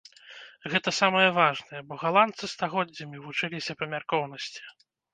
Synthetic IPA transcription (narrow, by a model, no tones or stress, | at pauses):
ɣɛt̪ɐsamɐjɐvaʐnɐjɛbɔɣalˠant̪sɨst̪aɣɔd͡zʲːɐmʲivut͡ʂɨlʲisʲɐpɐmʲarkɔwn̪ɐsʲt͡sʲi̥